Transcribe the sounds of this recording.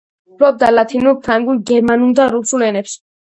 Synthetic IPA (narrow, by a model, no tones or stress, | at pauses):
bɾɔb̚d̪alat̪ʰinuɾpʰɾaŋɡulɡɛɾmanuld̪aɾusulɛnɛps